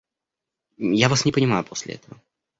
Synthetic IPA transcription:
javasnʲɪpənʲɪmajʊpʰosʲlʲɪ̰ɛ̰t̪əvə

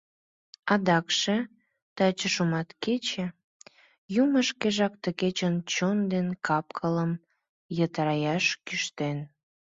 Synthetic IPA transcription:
ɑd̪ɑkʃe | t̪ɑt͡ɕəʃumɑt̪ket͡ɕe | juməʃkeʒɑkt̪əket͡ɕənt͡ɕond̪enkɑpkʰələm | jət̪ɾɑjɑʃkyʃt̪en

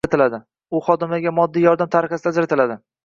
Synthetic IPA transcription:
at̪ʰɪlad̪ɪ | ʊχɒd̪ɪmaɡʲamɒd̪ːiːjɒɾd̪amt̪ʰaɾɪχasɪd̪ad͡ʒɾat̪ʰɪlad̪ɪ

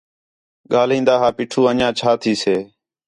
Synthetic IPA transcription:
ɠaːlĩːnd̪aːɦaːpiːʈʰuːənãːt͡ʃʰaːt̪ʰiːseː

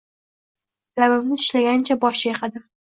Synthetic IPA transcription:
labɪmnɪɪʃlaɡʲant͡ʃʰabɒʃɪjaqʰɑd̪ɪ

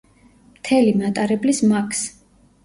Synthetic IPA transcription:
mt̪ʰɛlimat̪ʼaɾɛblismakʰs

